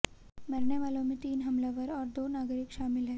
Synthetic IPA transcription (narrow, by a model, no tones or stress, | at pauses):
məɾɳeʋalomit̪iːnɦəmlaʋəɾɔɾd̪onaɡɾikɕamilɦɛ